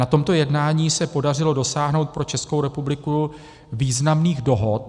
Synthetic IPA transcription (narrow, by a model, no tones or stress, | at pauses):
nat̪o̞mt̪o̞jɛdnaːɲiːsɛpo̞dar̝ɪlo̞do̞saːɦno̞wt̪̚pɾo̞t͡ʃɛsko̞wɾɛpublɪku | viːznamniːɣdo̞ɦo̞t̪̚